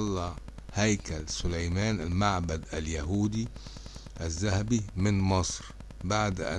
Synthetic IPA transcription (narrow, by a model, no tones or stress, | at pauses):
lːɑhajkalsʊlajmæːnɪlmaʕbad̪aljaɦuːd̪i | ʔazːahabimɪnmɨsˤɾ | baʕd̪ʔa̰